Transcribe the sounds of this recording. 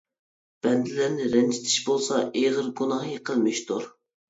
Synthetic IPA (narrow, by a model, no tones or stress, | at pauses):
b̥ɛnd̪ɪlæɾnɪɾɛnt͡ʃʰɪ̥t̪ʰɪ̥ʃbolˠsɑʔeʁəɾɡunɑhjəqʰəlˠmɪʃt̪ʰuɾ